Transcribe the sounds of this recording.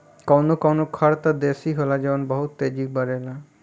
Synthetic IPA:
kawnokawnokʰaɾt̪ad̪esiɦolad͡ʒeʋanbəɦut̪ːed͡ʒik̚bəɾela

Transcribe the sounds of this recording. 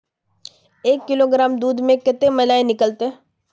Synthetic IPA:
eːkːɪloɡɾaːmd̪uːd̪mẽkɪt̪emɐlaːenɪkəlt̪eɦ

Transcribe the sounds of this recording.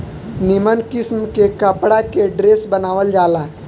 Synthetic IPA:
nimənkɪsmkekəpɽakeɖɾeːsbənaːʋəld͡ʒaːla

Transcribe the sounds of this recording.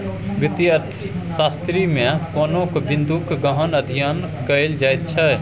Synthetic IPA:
ʋɪt̪jəɾt̪ʰ | saːst̪ɾimẽkoːnõkbɪ̃nd̪ukɡəɦənəd̪ʱijan | kəɪld͡ʒaːjt̪̚t͡ʃʰɛ

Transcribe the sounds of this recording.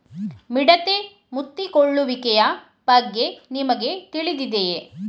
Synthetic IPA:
miɽɐt̪e | mut̪ːikoɭːuʋikɛjɐ | b̥ɐɡːenimɐɡe̞t̪iɭid̪id̪e

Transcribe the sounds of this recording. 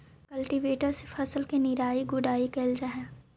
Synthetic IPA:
kɐlʈiʋeːʈəɾsefʰɐsəlkenɪɾaːiɡʊɖaːikeːld͡ʒaɦɛː

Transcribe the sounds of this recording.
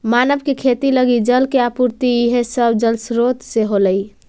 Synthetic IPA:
manəbkekʰet̪iləɡid͡ʒəlkeapuɾt̪iiɦesəbd͡ʒəlsɾot̪seɦoləj

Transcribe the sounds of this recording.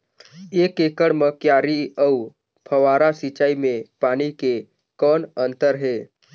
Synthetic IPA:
eːkeːkəɽməkjaːɾiəu | pʰəʋaːɾasit͡ʃaːimẽpaːnike | kɔːnə̃nt̪əɾɦeː

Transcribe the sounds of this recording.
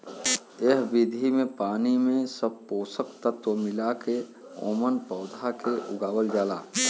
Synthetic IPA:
eɦbid̪ʱimẽpaːnimẽsəb̚poːsəkt̪ət̪womɪlake | o̰ːmənpɔːd̪ʱakeʔʊɡaːwəld͡ʒaːlaː

